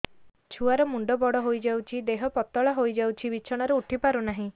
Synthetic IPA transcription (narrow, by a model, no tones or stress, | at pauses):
t͡ʃʰuaɾɔmuɳɖɔbɔɽɔɦojd͡ʒawt͡ʃʰid̪eɦɔpɔt̪ɔɭaɦojd͡ʒawt͡ʃʰiβit͡ʃʰɔɽ̃ɔɾeuʈʰipaɾunaɦĩ